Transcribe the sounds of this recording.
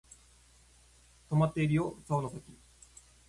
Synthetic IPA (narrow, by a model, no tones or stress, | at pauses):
t̪o̞mat̪ːe̞iɾɯjot͡saonot̪okʲi